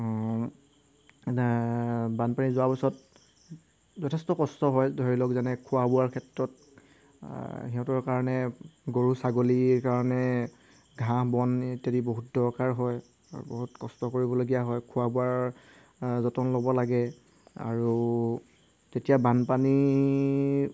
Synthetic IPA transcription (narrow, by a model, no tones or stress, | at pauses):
banpanizʊwapɔsɔt̚ | zɔtʰɛstɔkɔstɔɦɔjdʱɔɹilɔkzanɛkʰuabuaɹkʰɛtɹɔt̚ | hiɦɔ̃tɔɹkaɹɔnɛɡoɹusaɡolikaɹɔnɛ | ɡʱãbɔntediboɦut̚dɔɹkaɹɦɔj | a̰ɹṵboɦutkɔstɔkoɹibɔloɡijaɦɔjkʰʊabuaɹ | zɔtɔnlobɔlaɡɛ | a̰ɹu | tetijabanpani